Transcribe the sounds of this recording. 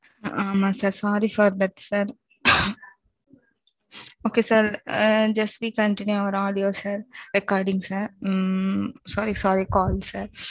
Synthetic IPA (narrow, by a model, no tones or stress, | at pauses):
ãːmɐ̃səɾsaːɾifəɾd̪əɾt̪səɾ | oːkeːsəɾd͡ʒəsʋiːkə̃ɳʈɪnjuaʋəɾaːɖijoːsəɾɾɪkaːɾɖɪ̃ŋɡsə | saːɾisaːɾikɔːlsəɾ